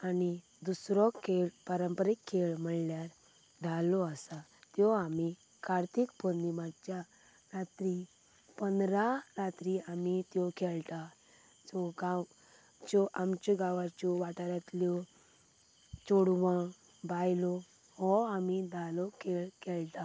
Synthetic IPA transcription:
ani | d̪usɾɔkʰeɭpəɾəmpəɾikʰːeɭm̤əɭljaɾ | d̪ʱalɔəsat̪jɔami | kʰaɾt̪ʰikpoɾnimad͡ʑja | ɾat̪ɾi | pənɾaɾat̪ɾiamit̪jɔkɛlt̪a | d͡zɔɡaw | t͡ɕɔʔamt͡ɕɔɡãʋat͡ɕɔʋaʈaɾat̪ljɔ | t͡ɕoɽʋã | bajlɔ | hɔamid̪ʱalɔkʰeɭkɛlt̪a

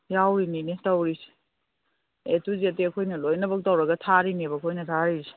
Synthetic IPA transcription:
jawɾininitɐwɾisi̥ | etuziɐteɐkʰojnɐlojnɐbɐk̚tɐwɾɐɡɐtʰaɾinibɐkʰojnɐtʰaɾiɾise̥

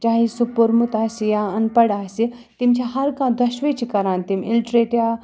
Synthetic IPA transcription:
t͡ʃaːɦisupuɾmut̪aːsijaɐnpɐɽaːsi | t̪imt͡ʃʰãɦɐɾkãːd̪ʱɐʃʋeːt͡ʃʰikɐɾãːnt̪imɪlʈɾeːʈijaː

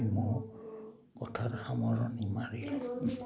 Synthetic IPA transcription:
mɔɹ | kɔtʰataxamɔɹɔnimaɹilɔ

